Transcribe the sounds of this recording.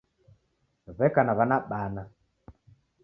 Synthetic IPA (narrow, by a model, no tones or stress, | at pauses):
βɛkanaβanaɓana